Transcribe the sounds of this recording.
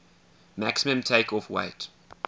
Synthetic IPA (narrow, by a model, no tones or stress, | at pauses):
mæksəmə̃mtʰeɪkʰɔfwḛɪt